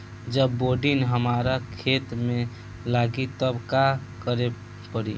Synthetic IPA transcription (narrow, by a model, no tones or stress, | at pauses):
d͡ʒəbːoɖinɦəmaɾakʰet̪me | laɡit̪əbkakəɾe | pəɾḭ